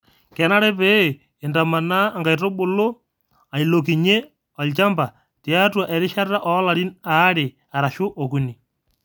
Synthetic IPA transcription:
kɛ˨˦na˦ɾɛ˦pe˨ | ɪ˨nda˨ma˨naː˦˨ŋɡa˨jtɔ˦ɓʊ˨lo˦ | a˨i˨lo˨ki˨ɲe˦ | ɔ˨lt͡ʃa˦mba˨ | tja˦twa˨ʔɛ˨ɾɪ˦ʃa˦ta˦ʔɔ˨˦la˨ɾi˦na˨˦ɾɪ˨ | a˨ɾa˨ʃʊ˦ʔɔ˨ku˨ni˨

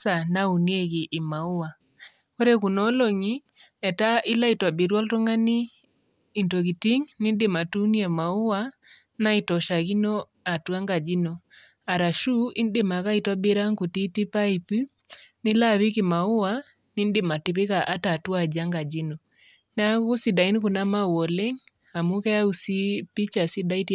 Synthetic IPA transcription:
sa˨na˦u˨nie˦ɣi˨ʔːma˨u˦wa˨ | ko˦ɾɛ˦ku˨nɔ˦lɔ˨ŋi˦ | ɛ˨ta˦ʔi˦la˦i˨twa˨bi˨ɾwa˦lto˦ŋa˦niː˦˨ | ntɔ˨ɣi˨ti˦ŋni˦ndɪ˨ma˨tu˦ni˦a˨ma˨u˦wa˦ | na˦i˨tɔ˨ʃa˨ɣi˦nɔ˦ | a˨twa˦ŋɡa˨d͡ʒi˦nɔ˨ | a˨ɾa˨ʃu˦ʔi˦n˦de˦ma˨ka˦i˨twa˦be˦ɾa˦ŋku˨ti˦ti˦pa˦i˨pi˦ | ni˦la˦βi˦ki˨ma˨u˦wa˦ | ni˦n˦de˦ma˨ti˨pɪ˦ka˨ʔa˦ta˨tu˦a˨d͡ʒa˦ŋɡa˨d͡ʒi˦nɔ˨ | na˦ɣu˦si˨da˨i˦ni˦ku˨na˦ma˦wɔ˨lɛ˦ŋ | a˨mu˦kɛ˦ja˦u˨si˦pi˦t͡ʃa˨si˦da˦i˦t

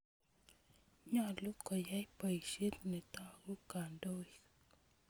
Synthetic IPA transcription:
ɲa˦lu˦ka˨ja˦jpe˨jʃi˦t̪ne˨t̪ã˦ɡu˦ka˨nd̪o˦j

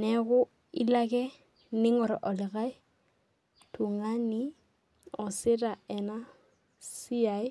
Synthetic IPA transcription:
nɛ˨ɣʊ˦ | i˦la˦kɛ˦ | nɪ˦ŋɔ˨ɾɔ̰˨ʔɔ˨lɪ˨ɣa˦ɪ˦ | tʰu˨ŋa˦nɪ˦ | ɔ˨sɪ˦ɾa˨ɛ˨na˦ | si˦a˨ɪ˦

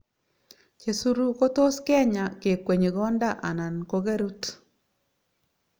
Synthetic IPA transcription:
t͡ʃe˨su˦ɾu˦ko˦to˦skɛ˦ɲa˨ke˨kwe˨ɲe˨ɡɔ˦nda˦ʔa˨na˨nko˦ɡe˦ɾu˦t

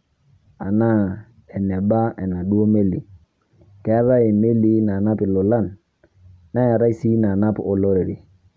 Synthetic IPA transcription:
a˨na˦ | ɛ˨nɛ˨ba˦ʔɛ˨na˨ɗu˦o˦me˦li˨ | kɛ˨˦a˦ɾa˦e˨me˦li˦na˨na˦pi˨lɔ˨la˦˨nː | a˦ja˨ɾa˦i˦si˦na˨na˦pɔ˨lɔ˦ɾe˨ɾi˨

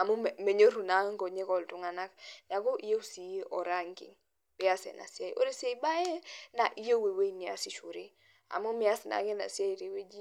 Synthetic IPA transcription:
a˨mu˦m˨me˨ɲe˦ɾu˨na˨˦ŋ˦ɡo˨ɲe˦kɔ˨ltu˦ŋa˨na˦kna˨ɡo˦ʔi˦je˦u˦si˨˦ʔɔ˨ɾa˦ŋkḭ˨ŋ | b̥i˦ja˦sḛ˨nʔa̰˨si˦a˦jʔo̰˦ɾe˦se˦i˨˦ba˦je˦na˨ʔi˦je˦we˨we˦ni˨a̰˨si˦ʃu˨ɾi˦ | a̰˨mo˦mi˨a˦sna̰˨ke˦na̰˨si˦a˦i˨ɾe˨we˦d͡ʒi˦

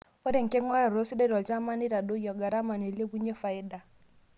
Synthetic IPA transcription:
ɔ˦ɾɛ˦˨ŋ̩˨kɛ˦ŋwa˦ja˨ɾo˦si˦dɛ˦ɾwɔ˨d͡ʒa˦ma˦ni˦ɾa˨do˦jɔ˨ɡa˨ɾa˦ma˨nɛ˨le˦ku˦ɲɛ˦fa˨i˦da˨

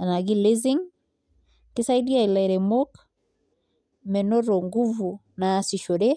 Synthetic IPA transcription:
a˨na˨ɡi˦le˦zi˦ŋ | kisa˦idi˦a˦i˨la˨ɾɛ˨mok | mɛ˨nɔ˦ɾɔ˨ŋɡu˦vu | nasi˨ʃo˨ɾɛ

